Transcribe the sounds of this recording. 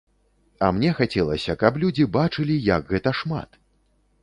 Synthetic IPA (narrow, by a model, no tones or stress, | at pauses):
ɐmnʲɛxat͡sʲɛlˠɐsʲɐkɐp̬lʲud͡zʲibat͡ʂɨlʲijɐɡɣɛt̪ɐʂma̰t̪